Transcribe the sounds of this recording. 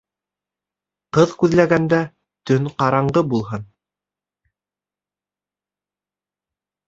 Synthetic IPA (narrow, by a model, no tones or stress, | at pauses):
qɤðkʉðlæɡænd̪æ | t̪ɵnqɑɾɑɴɢɤbulˠɦɤn